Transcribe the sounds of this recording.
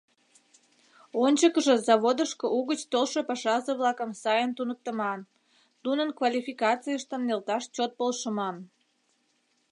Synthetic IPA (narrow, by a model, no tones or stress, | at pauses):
onʲt͡ɕəkəʒə̆zɑβod̪əʃkəuɣət͡ɕt̪olʃəpɑʃɑzəβlɑkəmsɑjənt̪unək̚t̪əmɑn | t̪unənkvɑlʲifikɑt͡sijəʃt̪ənːelt̪ɑʃt͡ɕot̪̚polʃəmɑn